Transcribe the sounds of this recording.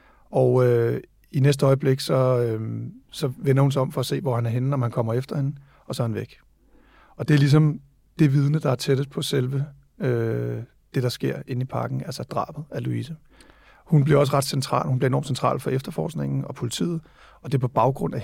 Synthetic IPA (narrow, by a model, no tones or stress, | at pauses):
ɒʊø | inesd̥əɒ̽ɪəb̥le̝ɡ̥sɒ̽øsɒ̽ʋenɐhuns̬ɪɒ̽mfɒ̽æse̝̰ːʋɒhænæɐɦenənɒmhænkʰɒ̽m̰ɐefd̥ɐhe̝nə | ɒ̽sɒhænʋeɡ̥ | ɒ̽d̥e̝æɐlis̬ɒ̽m | d̥e̝ʋið̞ˠnəd̥ɑ̈æɐt͡sʰed̥ð̩ˠpʰɒ̽selʋə | ø | d̥e̝ɾ̥ɑ̈sɡ̥e̝ɐ̰e̝nipʰɑ̈ɡ̥n̩ælsɐd̥ʁɑ̰̈ːb̥ð̩ˠæluisə | hunb̥liɐɒ̽s̬ʁɑ̈d̥sent͡sʰʁɑ̰̈ːlhunbliɐenɒ̰ːmsent͡sʰʁɑ̰̈ːlfɒ̽ʔefd̥ɐfɒ̰ːsɡ̥ne̝ŋ̰n̩ɒ̽pʰo̝lit͡sʰḭːð̞̩ˠ | ɒ̽d̥e̝pʰɒ̽b̥ɑ̈ʊɡ̥ʁɔ̽n̰æ